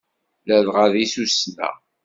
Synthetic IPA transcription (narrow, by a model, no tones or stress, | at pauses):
læðʁaðisusnæ̰